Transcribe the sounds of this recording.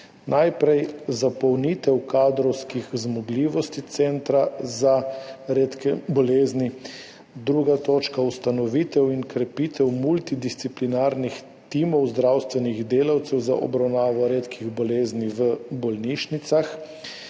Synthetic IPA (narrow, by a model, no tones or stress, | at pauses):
nʔajpɾɛjzapɔwniːt̪ɛwkaːd̪ɾɔwskixzmɔɡliːʋɔst̪it̪sɛnt̪ɾazaɾeːt̪kɛbɔleːzni | d̪ɾuɡat̪oːt͡ʃkaust̪anɔʋiːt̪ɛwinkɾɛpiːt̪ɛwmult̪id̪ist̪siplinaɾnix | t̪iːmɔwzd̪ɾawst̪ʋɛniɣd̪eːlawt̪sɛwza̰ʔɔ̰bɾawnaːʋɔɾeːt̪kʰiɣbɔleːzniʋəbɔlniːʃnit̪sax